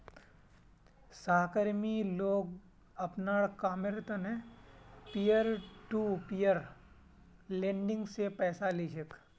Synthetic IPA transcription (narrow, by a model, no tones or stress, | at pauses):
saːɦkəɾmiloːɡ | ɐpnaːɽkaːmɪɾt̪əne | pijəɾʈupijəɾ | lẽːɳɖɪ̃ŋɡsepɛːsalid͡ʒək